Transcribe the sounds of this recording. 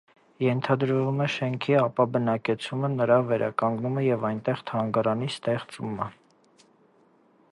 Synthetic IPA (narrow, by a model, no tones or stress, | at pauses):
jɛnt̪ʰɑd̪ɾvumɛʃɛŋkʰiɑpɑbənɑkɛt͡sʰumənəɾɑvɛɾʔɑ̰kɑŋɡnuməjɛvɑjnt̪ɛχt̪ʰɑŋɡɑɾɑnist̪ɛχt͡sumə